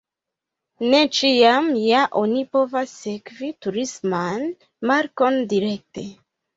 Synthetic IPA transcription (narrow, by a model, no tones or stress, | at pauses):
ne̞t͡ʃiamjaʔo̞nipo̞vasːekvituɾisman | maɾko̞ndiɾe̞k̚te̞